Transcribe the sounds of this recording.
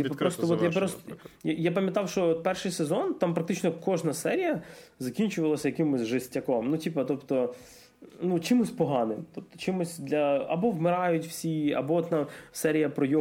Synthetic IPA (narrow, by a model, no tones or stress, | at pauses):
ipɐpɾɔst̪ɔʋɔt̪japɾɔsjapɐmʲjɐt̪ɑwʃt͡ʃɔɔt̪̚pɛrʃɪjsezɔnt̪ɑmpɾɐk̚t̪ɪt͡ʃnɔkɔʒnɐsɛɾʲijɐzɐkʲinʲt͡ʃʊʋɐlˠɐsʲɐjɐkɪmʊsʲʒɪsʲtʲːɐkɔmnutʲipɐt̪ɔpt̪ɔ | nut͡ʃɪmʊsʲpɔɦɑnɪmt̪ɔp̚t̪ɔ̥t͡ʃɪmʊsʲd̪lʲɐɐbɔwmɪɾɑjʊtʲw̥sʲiɐ̰bɔɔt̪namsɛɾʲijɐpɾɔjɔ